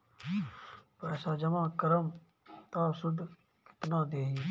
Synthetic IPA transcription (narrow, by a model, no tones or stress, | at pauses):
pəɛːsaːd͡ʒɐmãːkəɾəm | t̪aːsʊd̪ | kɪ̥t̪nãːd̪eːɦ